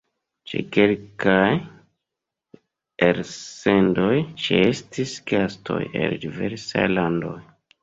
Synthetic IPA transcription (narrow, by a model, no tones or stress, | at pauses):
t͡ʃḛkelkaj | eɾse̞ndo̞jt͡ʃeestisɡ̥astʰo̞̰jeldiveɾsa̰jlando̞j